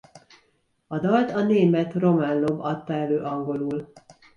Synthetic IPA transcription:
ɒd̪ɒlt̪ɒneːmɛt̪ro̞manlobɒt̪ːɒɛløːʔɒŋɡo̞luːl

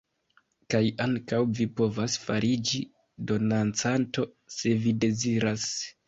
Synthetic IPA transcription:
kajaŋkawvipo̞vasfaɾid͡ʒi | do̞nant͡santo̞se̞vide̞ziɾas

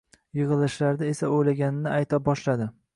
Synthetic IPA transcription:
jɨʁɨlˠɪʃlaɾd̪ae̞saojlaɡʲanɪnɪajt̪ʰabɒʃlad̪ɪ

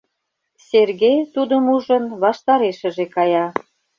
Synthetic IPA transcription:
serɣejt̪ud̪əmuʒə̆nβɑʃt̪ɑɾeʃə̆ʒekɑjɑ

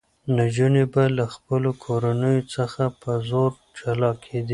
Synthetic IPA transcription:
nad͡ʒunebalaxpəlokʰoɾanəjot͡səxapəzoɾ | t͡ʃalɑkʰed̪i

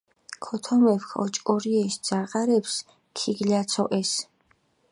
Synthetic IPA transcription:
kʰɔt̪ʰɔmɛfχɔ̰t͡ʃʼkʼɔɾiɛʃd̪z̥aʁʼaɾɛps | kʰiɡliat̪sʰɔʔɛs

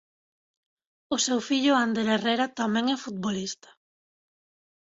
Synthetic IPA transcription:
ʊsewfiʎʊand̪elerejɾat̪amɛ̃ŋɛfut̪̚βolist̪ḁ

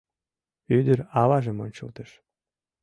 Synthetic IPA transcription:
yd̪əɾɑβɑʒə̆monʲt͡ɕə̰lt̪əʃ

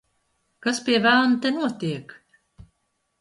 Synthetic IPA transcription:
kaspʲiɛvæːnt̪enuɔt̪iɛk

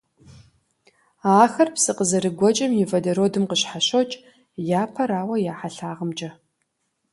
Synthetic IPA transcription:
aːxɐrpsɨqəzɐɾɨɡʷɔt͡ʃʼɐmjɪvɐdɐɾoːdɨmqəɕħaɕot͡ʃʼ | jaːpʰɐɾaːwɐjaːħaɬaːʁəmt͡ʃʼɐ

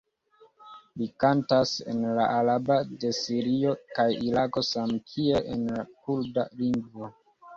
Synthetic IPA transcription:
likantasḛnlaalabade̞siɾio̞kajiɾako̞samkʰieʔenlakuɾdaliŋɡvo

